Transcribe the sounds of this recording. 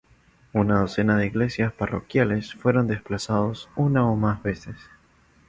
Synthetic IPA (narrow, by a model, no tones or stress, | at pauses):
unaðo̞se̞nað̞eiɣle̞sjasparokjale̞sfwe̞ɾo̞nd̪e̞splasað̞osunaomazβe̞ses